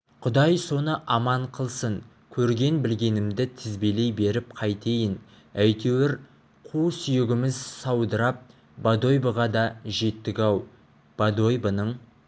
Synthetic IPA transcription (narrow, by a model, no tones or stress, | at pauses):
qʰʊd̪ɑjso̞nəʔɑmɑɴqʰəlˠsəɴ | kʲʰɵɾɡʲe̞nbɪlɡʲe̞nɪmd̪ɪt̪ʰɪzbele̞jbe̞ɾɪp̚qʰɑjt̪ʰejɪn | æjt̪ewɪɾ | qʰusʏjɪɡʲɪmɪzsɑwd̪əɾɑp̚ | b̥ad̪o̞jbəʁɑd̪ɑʒe̞t̪ːɪɡʲɑw | b̥ad̪o̞jbənəɴ